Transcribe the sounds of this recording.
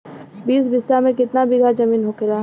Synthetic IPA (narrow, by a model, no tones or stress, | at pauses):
biːsbɪsːamẽkɪt̪nabɪɡʱad͡ʒɐmiːnɦokɪlaːɦ